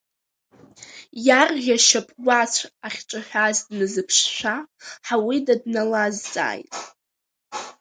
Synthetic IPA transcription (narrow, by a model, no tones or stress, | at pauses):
jarʁʲaʃapʼwʷat͡ɕʷʰaχʲʈ͡ʂʼaħʷᶣazdnɨzɨpʰʂʃʷᶣaħawidadnalazt͡sʼa̰ːjtʼ